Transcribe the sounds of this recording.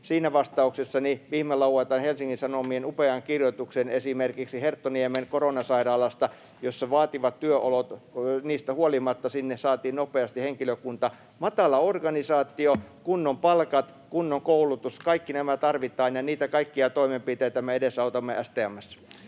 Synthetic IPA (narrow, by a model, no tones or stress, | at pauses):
siːnæʋɑst̪ɑuksesːɑniʋiːmelɑuwɑt̪ɑnhelsiŋːinsɑnomienupeɑŋkirjot̪uksenesimerkiksihert̪ːoniemeŋkoronɑsɑiɾɑːlɑst̪ɑ | josːɑʋɑːt̪iʋɑt̪t̪yøʔolot̪niːst̪æhuolimɑt̪ːɑsinːesɑːt̪iːnnopeɑst̪iheŋkiløkunt̪ɑ | mɑt̪ɑlɑorɡɑnisɑːt̪ːˑiokunːompɑlkɑt̪ | kunːoŋkoulut̪uskɑikːinæmæt̪ɑrʋit̪ːˑɑinjɑniːt̪ækɑikːiɑt̪oimempit̪eit̪æmæedesɑut̪ɑmːˑeæst̪eæmːˑæsːɑ̥